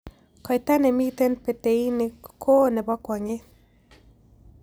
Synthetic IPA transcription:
kɔ˨jt̪a˦nɛ˨mi˦t̪e˦npe˨te˨i˦nɪ˨kʰo˦nɛ˨bɔ˦kwɔ˨ŋe˦

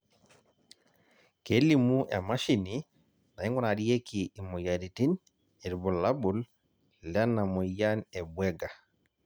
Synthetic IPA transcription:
ke˦li˦mu˦ʔɛ̰˨ma˦ʃini | na˨i˦ŋɡɔ˦na˨di˦je˦kʰiː˨mo˨ja˨di˨ti˦n | e˨ɾbɔ˨la˦bul | la˦na˨mɔ˨ja˦nɛbwɛ˦ɡa˨

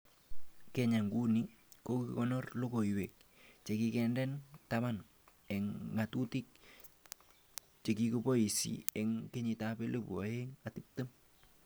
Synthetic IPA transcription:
kɛɲa˨ŋɡu˦ni | koki˨kɔnɔ˦rlo˦ko˨i˨wek̚t͡ʃe˨ki˦kɛndɛntama˦n | ɛ˨ŋːa˨tu˦ti˦k̚ | t͡ʃe˨kikupɔ˦ji˨sḭɛ˨ŋke˦ɲɪ˨tapɛ˦lo˦pṵ˨a˨eŋatip̚tə˦m

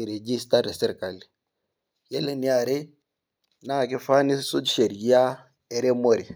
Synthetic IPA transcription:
i˨ɾe˨d͡ʒi˦sta˦ɾe˨sɛ˦ɾka˨li˨ | je˦le˦ni˦a˨ɾe˦ | naː˦˨ke˦fa˦ni˦su˦dʃe˨ɾɡi˦a˦ | e˨ɾe˦mo˦ɾi˨

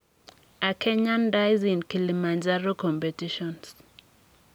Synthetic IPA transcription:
a˨kʰɛ˦ɲa˦nda˦jzi˨nki˨li˨ma˨nd͡ʒa˦ɾo˦kɔ˨mpe˨ti˦ʃɔ˨ns

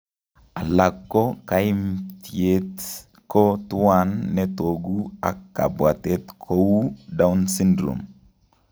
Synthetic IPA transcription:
a˨la˨kːo˦ka˨i˦mtjet | ko˦tu˦anːɛ˦to˨ɡu˦a̰˨kːa̰˨bwa˨te˦t̪kʰo˦u˦da˦u˦nsi˦ndɾṵ˨m

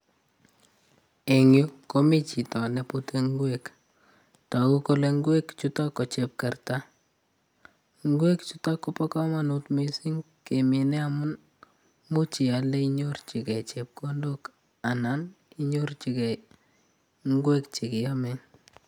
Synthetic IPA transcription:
e˨ŋju˦ko˦mi˦t͡ʃi˨tɔ˨ne˨pu˦te˦ŋɡwe˦k | tɔ˨ku˦ko˦le˦ŋ˦ɡwe˦kt͡ʃu˦tɔ˦kːɔ˨t͡ʃe˨p̚ka˨rta˦ | ŋ˦ɡwe˦kt͡ʃu˦tɔ˦kːo˦pɔ˦kɔ˦ma˨nu˦tmi˨si˦ŋ | ke˨me˨nɛ˦a˨mʊ˦n | mu˦t͡ʃi˨a˨le˦i˦ɲo˦rt͡ʃi˨kɛ˨t͡ʃe˨p̚ko˦ndo˦k | a˨na˦n | i˦ɲo˦rt͡ʃi˨kɛ˨ | ŋ˦ɡwe˦kt͡ʃi˨kɪ˨ja˦me˨n

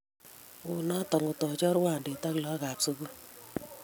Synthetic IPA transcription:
ʊ˨na˦tɔ˨ŋʊ˨tɔ˨d͡ʒɔ˦ɾwa˦˨n˨de˨ta˦klɔ˦ɡa˨pso˦ɡo˦

